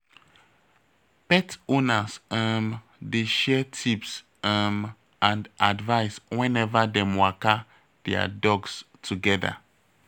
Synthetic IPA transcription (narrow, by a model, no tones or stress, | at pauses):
pɛtonasam | deʃɛtʰips | am | ʔãndadvaɪswɛ̃nɛvadɛmwaka | dɛa̰dɔɡs | tʰuɡɛða̰